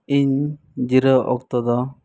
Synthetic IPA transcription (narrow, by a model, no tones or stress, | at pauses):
iɲ | d͡ʒiɾəʔɔ̰kt̪ɔd̪ɔ